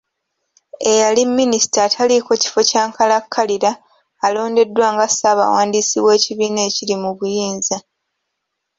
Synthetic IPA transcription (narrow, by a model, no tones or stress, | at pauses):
e̞jalimːinistatʰaliko̞ci̥fo̞caːŋkʰalakʰːaliɾaː | lo̞ːnde̞dwaːŋɡasaβa̰ːwaːndisiβwe̞ːciβiːneːcilimuβujiːnza